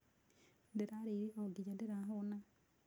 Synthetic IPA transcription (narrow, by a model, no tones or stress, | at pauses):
ndeɾaɾeiɾekaoɡid͡ʒandeɾaɦona